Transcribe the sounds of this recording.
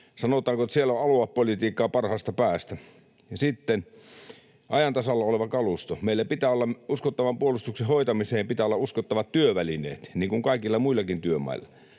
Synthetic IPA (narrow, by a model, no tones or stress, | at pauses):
sɑnot̪ˑɑːŋkot̪sielːoʔɑluɑppolit̪iːkːˑɑːpɑrhɑːst̪ɑpæːst̪æ | jɑsit̪ːen | ʔɑjɑnt̪ɑsɑlːɑoleʋɑkɑlust̪omeˑilːæpit̪æːolːɑuskot̪ːɑʋɑmpuolust̪uksehoˑit̪ɑmiseːmpit̪æːˑolːɑuskot̪ːɑʋɑt̪tyøʋælinḛːt̪niːŋkuŋkɑˑikilːɑmuilːˑɑkint̪yømɑ̰ˑḭlːɑ